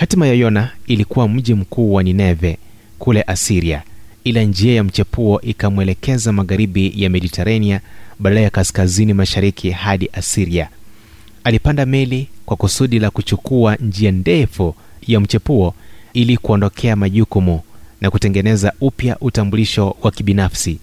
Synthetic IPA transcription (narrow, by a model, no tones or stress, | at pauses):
hatimajajɔnailikuwam̩ʄim̩kuːwaninɛvɛ | kulɛʔasiɾiailand͡ʒiajam̩t͡ʃɛpuɔʔikamwɛlɛkɛzamaɣaɾiɓijamɛɗitʰɛɾaniaɓadalajakaskazinimaʃaɾikʰihaɗiʔasiɾia | alipandamɛlikwakusuɗilakut͡ʃukuand͡ʒiandɛfu | jam̩t͡ʃɛpuɔilikuɔndɔkʰɛamaʄukumunakutɛŋɡɛnɛzaupjaʔutambuliʃɔwakiɓinafsi